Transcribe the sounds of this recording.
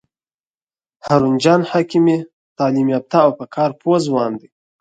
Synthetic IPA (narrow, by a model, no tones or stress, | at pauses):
haɾund͡ʒɑːnhakime | t̪ɑːlimjɑp̚t̪aːwpəkʰɑːɾpʰozwɑːnd̪i